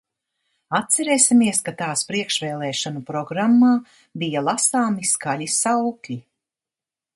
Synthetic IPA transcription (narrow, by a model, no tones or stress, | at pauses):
at̪̚sɛɾeːsʲimiɛskat̪aːspɾiɛkʃvɛːlˠɛːʃanupɾɔɡɾamːaː | bijalˠasaːmiskalʲisawklʲi